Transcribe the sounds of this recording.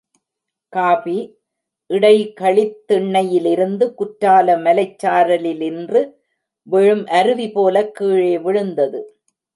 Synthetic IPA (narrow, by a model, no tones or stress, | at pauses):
kaːfi | ʔɪɽɐɪkɐɭɪt̪ːɪɳːɐjɪlɪɾɯnd̪ɯkʊʈɾaːlɐmɐlɐɪt͡ʃːaːɾɐlɪlɪndrɯ | ʋɛɻɯmʔɐɾɯʋipoːlɐkːiːɻeːʋɪɻɯnd̪ɐðɯ